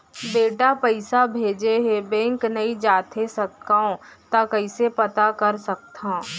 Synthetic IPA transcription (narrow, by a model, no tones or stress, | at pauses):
beːʈapəɪsabʱeːd͡ʒeɦebɛ̃ːŋknɐid͡ʒaːt̪ʰesɐkt̪aõt̪akɐɪsepɐt̪akɐɾsɐk̚t̪ãː